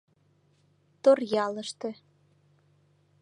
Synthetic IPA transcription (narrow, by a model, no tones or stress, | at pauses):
t̪orjɑlə̆ʃt̪ĕ